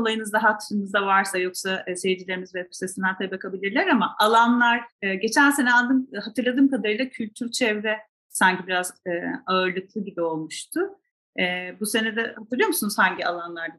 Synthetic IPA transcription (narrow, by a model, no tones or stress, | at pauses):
olˠajɯnɯzd̪aɦat̪ɾɯnɯzd̪avaɾsajo̞ksasejid͡ʒilʲeɾimizvɛbi̥sesind̪ænt̪ʰabakʰabilʲiɾlʲæɾamaʔalˠanlˠaɾɯːɟe̞t͡ʃʰænse̞nɛalˠd̪ɯmɦat̪ʰɯɾlˠad̪ɯːmkad̪aɾɯjlˠacʰylʲt̪ʰyɾt͡ʃʰɛvɾɛ | saɲcʰibiɾazɯːaɯɾlˠɯklˠɯɟibio̞lˠmuʃt̪ʰʊː | buse̞nɛd̪ɛhat̪ʰɯɾlˠɯjomusunuz̥haɲɟia̰lˠanlˠaɾd̪a